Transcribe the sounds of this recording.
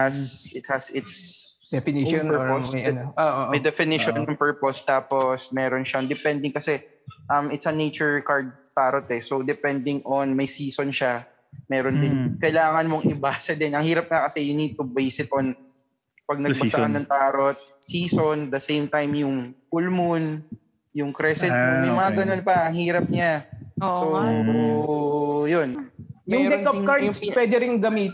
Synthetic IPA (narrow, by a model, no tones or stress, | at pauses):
ɐsʔɪt̪̚hɐsɪt̪s | pɛɹposoʔmɐjd̪ɛfɪnɪʃonːɐŋpɛɹpost̪aːposmɛːɾonʃand̪ɛpɛnd̪ɪŋkɐsɛ | ʔɐmɪt̪sɐnejt͡ʃɛɹkaɹd̪̚t̪aːɾot̪ɛsowd̪ɛpɛnd̪ɪŋʔonmɐjsiːsonʃa | mɛːɾond̪ɪnkɐjlaːŋɐnmoŋʔɪbasɐd̪ɛnɐŋhiːɾɐp̚ŋɐkɐsɛjʊnid̪̚t̪ʊbejsɪt̪ɔn | pɐɡ̚nɐbɐsɐkɐnːɐŋt̪aːɾot̪̚ | siːsond̪ɐsejmt̪ajmjʊŋfulmʊn | jʊŋkɾɛsɛt̚mɐmɐŋaɡɐno̞npɐʔɐŋhiːɾɐp̚ɲaso | jonjmʊŋdɾɛkɐp̚kaɹd̪ʊpwɛːd̪ɪɾɪŋɡɐmiːt̪